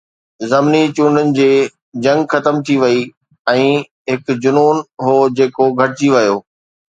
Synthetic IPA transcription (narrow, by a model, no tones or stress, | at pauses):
zɐmnit͡ɕũːɳɖənɪ̆d͡ʑeː | d͡ʑɐ̃ŋɡxɐt̪əmt̪ʰiʋɐi | ɛ̃ː | ɦɪkd͡ʑʊnuːnɦoːd͡ʑeːkoɡʱɐʈɪt͡ɕiʋɐjoː